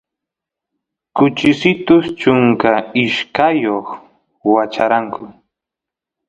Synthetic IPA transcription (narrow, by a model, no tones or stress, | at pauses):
kʊt͡ʃɪsɪt̪ʊst͡ʃʊŋkaɪʃkajoχ | wat͡ʃa̰ɾaŋkʰʊ